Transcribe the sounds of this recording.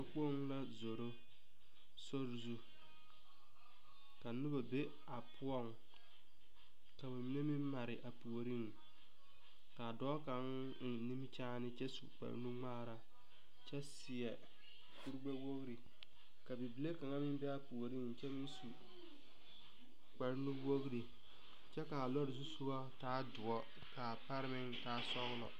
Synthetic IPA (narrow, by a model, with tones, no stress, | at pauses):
a˦k͡po˦ŋ˦la˦zo˨ɾo˦ | so˦ɾzu˦ | ka˨nʊ˦ba˨be˦ | a˨pʰʊ˦ɔ˦ŋ | ka˨bɪ˨˦e˦mɪ˦m˦ma˨ɾɪ˨ʔa˨pu˨o˨ɾi˦ŋ˨ | ka˨dɔː˦ka˨ŋ˨ | ni˦m˦t͡ʃaː˦nɪ˦t͡ʃɛ˦sṵ˨k͡pa̰˨ɾnu˦ŋ͡maː˦ɾa˨ | t͡ʃɛ˦sɪ˨ɛ˨ | ku˦ɾɡ͡ba˦wo˦ɣɾi˨ | ka˨bi˨bi˨le˦ka˨ŋa˦mɪ˦m˦bɛ˦a˦pu˨o˨ɾi˦ŋ˨t͡ʃɛ˦mɪ˦n˦su˨ | k͡pa˨ɾnu˦wo˦ɣɾi˨ | t͡ʃɛ˦ka˨lɔ˦ɾɪ˨zu˦su˦ba˦taː˦dʊ˨ɔ˦ | ka˨pa˦ɾɪ˦mɪ˦ŋtaː˦sɔ˦ɣlɔ̰˨